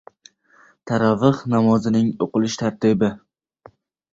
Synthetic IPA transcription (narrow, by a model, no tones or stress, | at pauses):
t̪ʰaɾavɨχnamɒzɪnɪŋoqɨlˠɪʃt̪ʰaɾt̪ɪbɪ